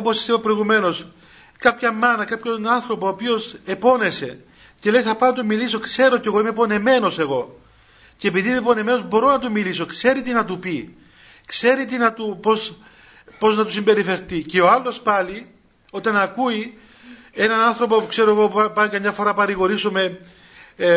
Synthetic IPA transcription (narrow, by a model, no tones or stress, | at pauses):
opo̞sɐ̥sipɐpɾo̞iɣume̞no̞s | kɐpçɐmːɐnɐkɐpço̞nɐnθɾo̞po̞ːpio̞se̞po̞ne̞se̞ | ce̞le̞jθɐpɐnɐt̪umiliso̞kse̞ɾo̞ceɣo̞imepo̞ne̞me̞no̞se̞ɣo̞ | ce̞epiðiepo̞ne̞me̞nozbo̞ɾo̞nɐt̪̬umiliso̞kse̞ɾit̪inɐt̪upi | kse̞ɾit̪̬inɐt̪upo̞s | po̞znɐt̪usimbe̞ɾife̞ɾt̪ice̞oɐlːo̞spɐli | o̞t̪ɐnɐkui | e̞nɐnɐnθɾo̞po̞pukse̞ɾoeɣo̞pɐnkɐmɲɐfo̞ɾɐpɐɾiɣo̞ɾisome̞